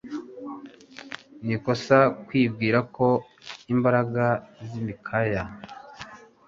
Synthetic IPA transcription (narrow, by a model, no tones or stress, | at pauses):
nikosakwiːb̚ɡiːɾakʰo̞ | imbaɾaɡazimikʰaja